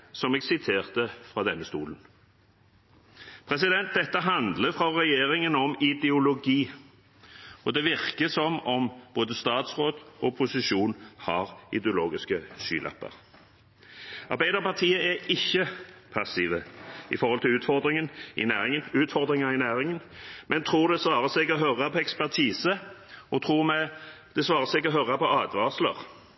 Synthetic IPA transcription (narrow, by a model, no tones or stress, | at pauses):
sɔmɛːɡsɪt̪ʰeːʁt̪əfʁɑːd̪ɛnːəst̪ṵːlən | pʰʁɛsɪd̪ɛnt̪̚d̪ɛt̪ːəɦɑnd̪ləfʁɑʁɛjeːʁɪŋənɔmɪd̪ɛʊlʊɡiː | ɔd̪ɛʋɪʁkəsɔmɔmboːd̪əst̪ɑːt̪sʁoːd̪ɔpʰʊsɪʃuːnhɑʁɪ̰d̪ɪʊloːɡɪskəʃy̰ːlʔɑ̰pːə̰ʁ | ɑʁbæɪd̪əʁpɑʁt̪ʰiːəʔæɪçːəpʰɑsiːʋəɪ̰fɔɾʁhɔlt̪ʰɪlʉːt̪fɔʁd̪ɾɪŋənʔɪnæːɪŋnʉːt̪fɔʁd̪ʁɪŋənɑɪnæːʁɪŋənmʔɛnt̪ʰʁuːʁd̪ɛsʋɑːʁəsɛɡɔɦœʁɑpʰɔɛkspæʁt̪ʰiːsəɔt̪ʰʁuːmɛ | d̪̥ɛsʋɑːʁəsɛɡɔɦœʁɑpʰɔɑːd̪ʋɑslə̰ʁ